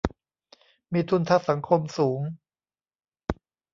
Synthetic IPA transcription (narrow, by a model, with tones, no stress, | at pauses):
miː˧t̪ʰu˧nt̪ʰa˦˥˩sa˩˦ŋkʰo˧msuː˩˦ŋ